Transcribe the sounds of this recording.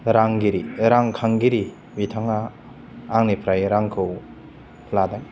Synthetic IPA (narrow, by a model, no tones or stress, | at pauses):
ɾaŋɡiɾiɾaŋkʰaŋɡiɾi | bitʰaŋaː | ŋnipʰɾajɾaŋkʰɯw | pʰladaŋ